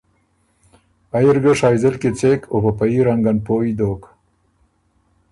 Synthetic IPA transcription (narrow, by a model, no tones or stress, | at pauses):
ajiɾɡəʂɑːjzɪlket͡sekʰopapaiɾaŋɡanpoid̪oːk